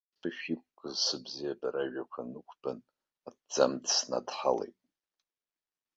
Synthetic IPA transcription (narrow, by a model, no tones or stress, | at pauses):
bʰɨʃᶣikʷʼɡɨzsɨbzijabaɾaʒakʷʰanɨkʷʰb̥an | add͡zamdsna̰dħalḛjtʼ